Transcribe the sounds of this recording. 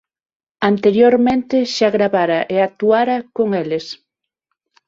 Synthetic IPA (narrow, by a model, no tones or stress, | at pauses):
ant̪eɾjoɾmẽnt̪eʃaɣɾaβaɾaʔeak̚t̪uaɾakoŋeles